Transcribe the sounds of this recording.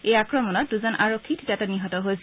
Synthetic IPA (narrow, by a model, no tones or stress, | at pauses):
ejakɹɔmɔnɔt̚duzɔnʔaɹokkʰːitʰdataniɦɔtɔɦojs